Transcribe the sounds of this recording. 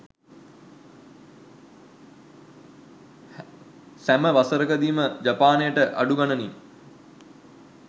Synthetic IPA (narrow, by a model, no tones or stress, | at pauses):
sæməʋasəɾəkəd̪iːməd͡ʒapaːnejəʈəʔaɖuɡanənim